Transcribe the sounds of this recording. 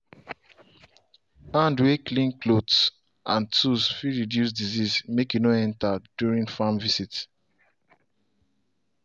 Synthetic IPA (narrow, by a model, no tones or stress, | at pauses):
ãndweklĩnklods | ʔãntusfiɹidjus̬dizismekjunoɛ̃ntadjuɹĩŋfamvisit